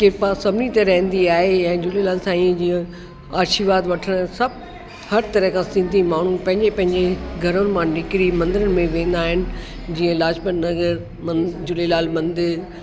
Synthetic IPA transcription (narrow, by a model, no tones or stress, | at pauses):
kɪpasɐbʱnit̪ɐɾɐɦə̃nd̪iaːɦeɛ̃ːd͡ʑʊlelaːlsãiːə̃d͡ʑiːə̃ | aːʃiʋaːd̪ʋɐʈʰəɽ̃sɐb | hɐɾt̪ɐɾəkʰãsɪ̃nd̪ʱimaːɳ̤upɐ̃ɦɪ̃ɲd͡ʑepɐ̃ɦɪ̃ɲd͡ʑeɡʱɐɾʊnɪ̆mãnɪkɪɾimɐ̃nd̪ɪɾənɪ̆mẽʋẽːn̆d̪aːɦɪnɪ̆ | d͡ʑiːə̃laːd͡ʑpənnɐɣəɾ | md͡ʑʊlelaːlmɐ̃nd̪ɪɾ